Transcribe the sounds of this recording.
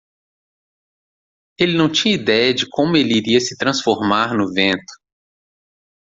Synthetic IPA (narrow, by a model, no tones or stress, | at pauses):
elɪnɐ̃w̃t͡ʃĩɲɐid̪ɛjɐd͡ʒɪkʰõmʊeliɾiɐsɪ̥t̪ɾɐ̃sfoɾmaɾnʊvẽnt̪ʊ̥